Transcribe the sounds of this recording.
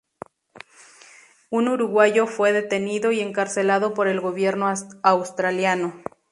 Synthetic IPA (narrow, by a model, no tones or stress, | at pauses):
unuɾuɣwaʝo̞fwe̞ðe̞t̪e̞niðo̞ie̞ŋkaɾse̞laðo̞po̞ɾe̞lɣo̞βje̞ɾnoawst̪ɾaljano̞